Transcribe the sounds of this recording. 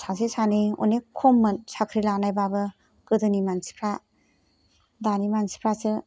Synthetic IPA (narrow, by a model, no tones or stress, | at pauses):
sasesanio̰nekʰomːɯnsakʰɾilanajbabɯ | kɯdɯnimansi̥pʰɾa | danimansi̥pʰɾasɯ